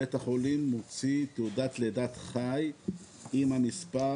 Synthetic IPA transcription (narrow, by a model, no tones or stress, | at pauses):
et̪haχolimːot͡sit̪uud̪at̪led̪at̪χaj | imamispa